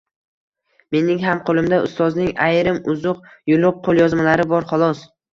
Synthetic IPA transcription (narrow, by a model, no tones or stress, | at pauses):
me̞nɪŋɦamqʰolˠɪmd̪aʊ̰st̪ʰɒznɪŋajɾɪmʊzʊqjʊlˠʊq̚qʰːolˠjɒzmalaɾɪbɒɾχɒlˠɒs